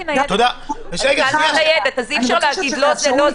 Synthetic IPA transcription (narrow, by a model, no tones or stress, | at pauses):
t̪od̪aeʃeɡealajed̪at̪azifʃaʁlehaɡid̪lozelo